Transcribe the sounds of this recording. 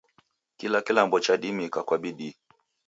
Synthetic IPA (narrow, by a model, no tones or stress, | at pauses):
kilakilambɔt͡ʃaɗimikakwaɓiɗi